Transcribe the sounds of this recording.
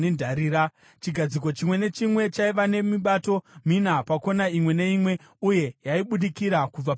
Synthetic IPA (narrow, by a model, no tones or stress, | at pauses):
endʱaɾiːɾa | t͡ʃiɡʱad͡ziko̞t͡ʃimwe̞ne̞t͡ʃimwe̞t͡ʃaiʋane̞miɓato̞minapako̞naimwe̞ne̞imwe̞ | uje̞jaiɓuɗikiɾakub͡vap